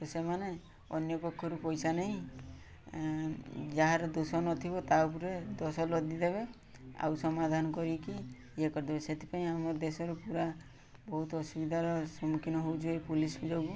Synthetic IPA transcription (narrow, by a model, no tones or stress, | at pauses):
t̪ɔsemane | ɔ̰njɔpekʰːɔɾupɔjsaneɦĩ | d͡ʒaɦaɾɔd̪usɔnɔt̪ʰibɔt̪awpuɾed̪ɔsɔlɔd̪id̪eβe | a̰wsɔmad̪ʱanɔkɔɾiki | ekɔɾd̪ebeset̪ʰi̥paĩamɔɾd̪esɔɾupuɾa | bɔɦut̪ɔsubid̪ʱaɾɔsɔmukʰinɔɦowt͡ʃʰuepulisbid͡ʒɔɡu